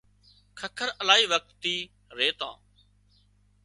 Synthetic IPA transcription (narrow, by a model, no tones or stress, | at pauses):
kʰəkʰəɾəlaːiːʋək̚t̪ːiː | ɾeːt̪ã̰ː